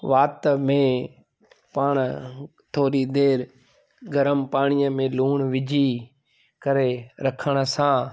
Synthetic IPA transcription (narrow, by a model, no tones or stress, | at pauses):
ʋaːt̪mẽː | paːɳ̃ | t̪ʰoːɾid̪eːɾ | ɡəɾəmpaːɽ̃ijəmẽːluːɳ̃ʋɪd͡ʒʱi | kəɾeɾɐkʰəɽ̃̆sãː